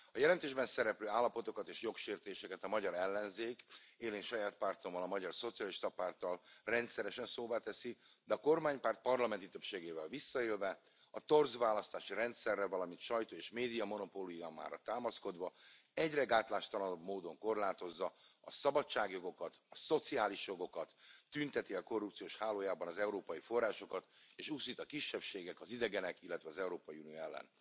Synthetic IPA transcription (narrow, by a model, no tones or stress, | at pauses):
ɒjɛlɛnt̪eːʒbɛnsɛɾɛpløːaːlːɒpo̞t̪o̞kɒt̪eːʃjo̞kʃeːrt̪eːʃɛkɛt̪ɒmɒɟɒɾɛlːɛnzeːkeːleːnʃɒjaːt̪̚part̪o̞mːɒlɒmɒɟɒrso̞t̪sijɒliʃt̪ɒpaːrt̪ɒlrɛnt̪sɛɾɛʃɛnsoːbaːt̪ɛsi | d̪ɛɒko̞rmaːɲpaːrt̪̚pɒrlɒmɛnt̪it̪ø̞pʃeːɡeːvɛlvisːɒeːlvɛ | ɒt̪o̞rzʋaːlɒst̪aːʃirɛnt̪sɛrːɛvɒlɒmint̪ʃɒjt̪oːeːʃmeːd̪ijɒmo̞no̞polujamːa̰ːɾɒt̪aːmɒsko̞d̪ʋɒ | ɛɟrɛɡaːt̪laːʃt̪ɒlɒno̞bmoːd̪o̞ŋko̞rlaːt̪o̞zːɒɒsɒbɒt͡ʃːaːɡjo̞ɡo̞kɒt̪ɒso̞t̪siaːliʃjo̞ɡo̞kɒt̪ːynt̪ɛt̪iɒko̞rːup̚tsijoːʃhaːloːjaːbɒnɒzɛuɾoːpɒjifo̞rːaːʃo̞kɒt̪eːʃusit̪ɒkiʃːɛpʃeːɡɛkɒzid̪ɛɡɛnɛkilːɛt̪vʋɛɒzɛuɾoːpɒjiunioɛlːɛ̰n